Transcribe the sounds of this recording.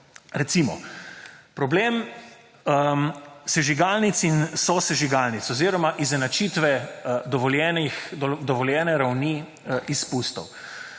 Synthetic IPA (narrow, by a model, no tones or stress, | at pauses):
ɾɛt̪simɔ̰ | pɾɔbleːm | əmsɛʒiɡalnit̪sinsɔsɛʒiɡalnit̪sɔziːɾɔmaʔiznɛnat͡ʃit̪ʋɛd̪ɔʋɔljɛːnixɔd̪ɔʋɔljɛːnɛɾawni | ʔispust̪ɔw